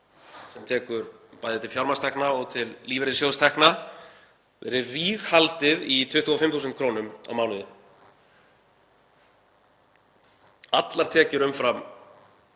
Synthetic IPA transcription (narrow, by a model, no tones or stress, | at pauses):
sɛmt̪ʰɛːkʏɾpaːjðɪt̪ɪlfjawɾmast̪ʰɛhknaɔɣt̪ʰɪlːiːvɛɾɪsjowst̪ʰɛhkna | vɛ̰ːɾɪriːɣhalt̪ɪðit̪ʰʏht̪uɣɔfɪmθusɛnt̪̚kʰɾownʏma̰vmaːwnʏðʏ | at̪laɾ̥t̪ʰɛːcɪɾʏmfɾam